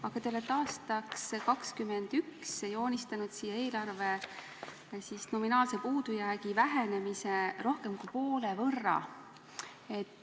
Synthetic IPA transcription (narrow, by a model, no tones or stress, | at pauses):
ɑɡ̥ɑt̪eolet̪ɑːst̪ɑkskɑkskymend̪̥ykse̞jo̞ːnʲist̪ɑnud̪̥sijːɑe̞ːlɑrve̞ | sisno̞minɑːlse̞puːd̪̥ujæːɡivæɦe̞ne̞misero̞hke̞mkupo̞ːlevɤrːɑ̰ | et̪ːˑ